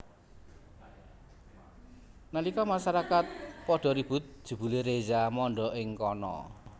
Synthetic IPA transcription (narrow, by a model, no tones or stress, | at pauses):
nalikɔmasaɾakat̪̚pɔɖ̥ɔ̤ɾib̥ʊt̪̚d̥ʒ̥ṳb̥ṳleɾezamɔɳɖɔʔɪŋkɔnɔ̰